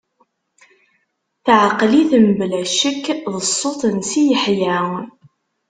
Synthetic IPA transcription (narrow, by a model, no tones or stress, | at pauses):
θʕəqːliθəmblæʃəkːðəsˤːot̪ˤənsijəħjæw